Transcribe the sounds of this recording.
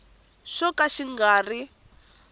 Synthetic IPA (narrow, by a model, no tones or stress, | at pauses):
ʃɔkaʃiŋɡaːri